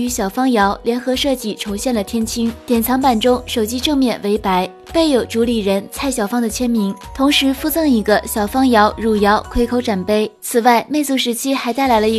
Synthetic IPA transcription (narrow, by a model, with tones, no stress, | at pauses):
y˧˥ɕjɑ˨˩ʊfɑ˥ŋjɑ˧˥ʊljɛ˧˥nxɤ˧˥ʂɤ˥˧t͡ɕi˥˩ʈ͡ʂʰʊ˧˥ŋɕjɛ˥˩nlə˩t̪ʰjɛ˥nt͡ɕʰi˥ŋt̪jɛ˨˩nt͡sʰɑ˧˥ŋpa˨˩nʈ͡ʂʊ˥ŋʂo˨˩ʊt͡ɕi˥ʈ͡ʂɤ˥˧ŋmjɛ˥˩nwe˧˥ɪpa˧˥ɪ | pe˥˩ɪjo˨˩ʊʈ͡ʂu˧˥li˨˩ɻə˧˥nt͡sʰa˥˩ɪɕjɑ˨˩ʊfɑ˥ŋd̪ə˨t͡ɕʰjɛ˥nmi˧˥ŋt̪ʰʊ˧˥ŋʂɻ̩˧˥fu˥˧t͡sɤ˥˩ŋi˧˥ɡə˧ɕjɑ˨˩ʊfɑ˥ŋjɑ˧˥ʊɻu˨˩jɑ˧˥ʊkʰwe˥ɪkʰo˧˥ʊʈ͡ʂa˨˩npe˥˩ɪt͡sʰɹ̩˨˩wa˥˩ɪme˥ɪt͡su˥˩ʂɻ̩˧˥t͡ɕʰi˥xa˧˥ɪt̪a˥˩ɪla˧˥ɪlə˧i˧˥